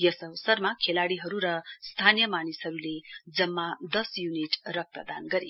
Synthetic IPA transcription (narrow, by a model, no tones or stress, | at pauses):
jʌsʌʌsʌrmakʰelaɽiɦʌɾuɾʌst̪ʰanijʌmanishʌɾuled͡zʌmːad̪ʌsjuniʈrʌk̚prʌ̰d̪anɡʌɾe